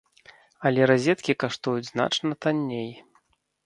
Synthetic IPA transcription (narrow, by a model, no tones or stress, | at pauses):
ɐlʲɛɾazʲɛt̪kʲikaʂt̪ujud͡zʲzna̰t͡ʂnɐt̪anʲːej